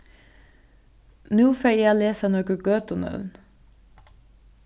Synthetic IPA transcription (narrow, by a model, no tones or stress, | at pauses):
nuːfeæːleːsənɔːɡəɡøːt̪ɔnœ̰ʉn